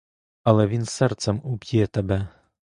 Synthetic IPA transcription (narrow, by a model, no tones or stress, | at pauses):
ɐlˠɛvʲinsɛrt̪sɐmubʲjɛt̪ɐbɛ